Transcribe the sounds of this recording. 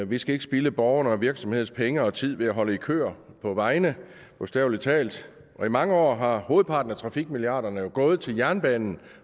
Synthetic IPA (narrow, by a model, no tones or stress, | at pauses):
ʋisɡ̥æe̝ɡ̥əsb̥iləb̥ɒʊɐnəɒʋiɐɡ̥sɒ̽mhe̝ð̰ˠspʰeŋəɒ̽t͡sʰið̞̰ˠʋe̝æɦɒ̽ləikʰø̰ːɐ | pʰɒ̽ʋɑ̈ɪnə | pʰɔ̽sd̥ɛʊlit͡sʰɛ̰ːld̥ | ʔɒ̽imɑ̈ŋəɒ̰ːɦɑ̈ho̝ːð̞̩ˠpʰɑ̈ːd̥n̩æt͡sʰʁɑ̈fiɡ̥̚miliɑ̰̈ːdɐnəjo̝ɡ̥ɔ̽ːð̩ˠt͡sʰe̝ljæɐnb̥ɛːnn̩